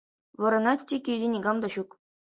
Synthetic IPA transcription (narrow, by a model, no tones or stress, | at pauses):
ʋɤ̆ɾɤ̆nɑtʲtʲːekʲijʲdʲenʲiɡɑmd̪ɑɕuk